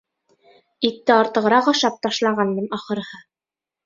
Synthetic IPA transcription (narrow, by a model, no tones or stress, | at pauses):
it̪ːɘɑɾt̪ɤ̆ʁɤ̆ɾɑqɒʃɑp̚t̪ɑʃlˠɑʁɑnmɤnɑχɤ̆ɾhɤ